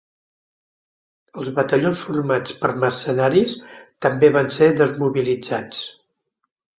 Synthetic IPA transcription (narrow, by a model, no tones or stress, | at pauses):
əlˠzβət̪əʎonsfurmat͡spəɾmərsənaɾist̪əmbeβanseðəzmuβilid͡zat͡s